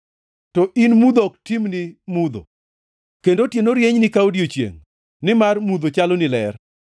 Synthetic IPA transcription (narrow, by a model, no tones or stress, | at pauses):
tɔʔinmud̪ɔk̚timnɪmud̪o̰ | kendotjenoɾjeɲnɪkaodiot͡ʃjḛŋ | nɪmarmud̪ot͡ʃalonɪlɛr